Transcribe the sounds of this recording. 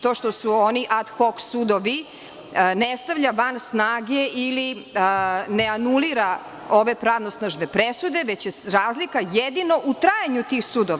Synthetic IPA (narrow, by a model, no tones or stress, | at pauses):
t̪oːʃt̪osuoniʔad̪xoksud̪oʋi | nest̪aʋʎaʋansnaːɡeʔili | neanuliɾa | o̞ʋe̞pɾaʋnosnaʒnepɾesud̪e̞ʋet͡ɕjeɾaːzlikajed̪ino̞ʔut̪ɾaːjaɲut̪iːxsud̪oʋa